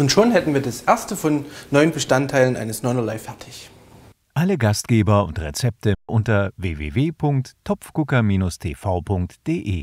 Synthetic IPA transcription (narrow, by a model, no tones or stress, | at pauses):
ʔʊntʃoːnɦɛtn̩viːɐdasʔeɐstəfɔnːɔʏənbəʃtantʰːaɪlənʔa̰ɪnəsnɔɪnɐlaɪfɛɐtʰɪç | ʔaləɡast̚ɡ̥eːbɐʊ̰ntʁɛt͡sɛp̚təʔʊntɐveːvḛːveːpʰʊŋk̚tʰːɔpp͡fkʊkɐmiːnʊstʰeːfaʊpʰʊŋk̚td̥eːʔḛː